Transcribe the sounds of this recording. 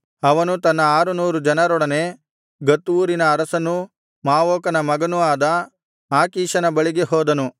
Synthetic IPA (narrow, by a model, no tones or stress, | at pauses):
ɐʋɐnut̪ɐnːɐaːɾunuːɾud͡ʒɐnɐɾɔɽɐne̞ | ɡɐt̪ːuːɾinɐːɾɐsɐnːu | maːʋoːkɐnɐmɐɡɐnuaːd̪ɐ | aːkiːʃɐnɐbɐɭiɡeɦɔːd̪ɐnu